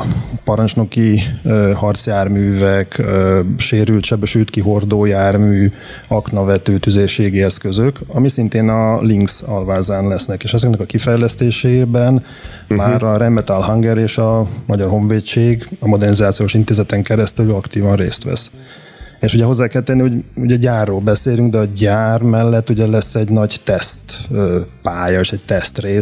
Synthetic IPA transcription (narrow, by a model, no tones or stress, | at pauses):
pɒɾɒnt͡ʃno̞kiøhɒrt̪sjaːrmyːvɛkː | ʃeːɾylt̪ʃɛbɛʃylt̪kiɦo̞rd̪oːjaːrmyː | ɒknɒvɛt̪øːt̪yzeːʃːeːɡiɛskøzøkɒmisint̪eːnɒliŋksɒlvaːzaːnlɛsnɛkeːʃɛzɛknɛkɒkifɛjlɛst̪eːʃebɛn | maːɾɒɾɛmːɛt̪alɦɒŋɡɛɾeːʃɒmɒɟɒrɦo̞ɱveːt͡ʃeːɡɒmo̞d̪ɛrnizaːt̪sijoːʃint̪eːzɛt̪ɛŋkɛɾɛst̪ɛlyɒkt̪iːvɒnrḛːst̪ʋɛ̰s | eːʃuɟɛɦo̞zːaːkɛlt̪ɛnːihoɟuɟɛɟaːrːoːlbɛseːlyŋɡd̪ɛɒɟaːrmɛlːɛt̪ːuɟɛlɛsːɛɟnɒɟt̪ɛst̪ːpaːjɒeːʃɛɟ̚t̪ɛst̪reː